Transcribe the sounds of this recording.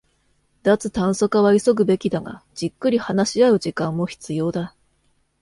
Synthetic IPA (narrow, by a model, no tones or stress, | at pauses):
d̪̥at͡sɨt̪ãɰ̃so̞kaβaiso̞ɡɯ̟be̞kʲid̪aŋa̰d͡ʑikːɯ̟ɾʲihanaɕiaɯ̟ʑikãmːo̞çi̥t͡sɨjo̞ːd̪a